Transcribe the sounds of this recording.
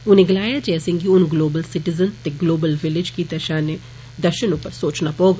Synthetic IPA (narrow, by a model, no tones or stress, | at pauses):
ʊnẽɡɪlaːjad͡ʒesɪ̃ŋɡiʊnɡloːbəlsɪʈɪzənt̪eɡloːbəlʋɪlɪd͡ʒkit̪ɛʃãːne | d̪ɐɾʃənʊpəɾsoːt͡ʃnapoːɡ